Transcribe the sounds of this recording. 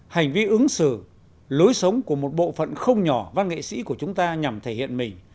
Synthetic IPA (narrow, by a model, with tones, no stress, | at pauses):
ha˨˩jŋ̟vi˧ʔɨ˨˦ŋsɨ˧˩ | lo˨˦jsə˨˦wŋ͡mku˧˩əmo˨˩t̚ɓo̰˧˨fə̰˧˨nxə˧wŋ͡mɲɔ˧˩va˧nŋḛ˧˨sḭ˧˥ku˧˩ət͡ɕʊ˨˦ŋ͡mt̪aː˧ɲa˨˩mt̪ʰe˧˩hḭ˧˨ənmï˨˩ŋ̟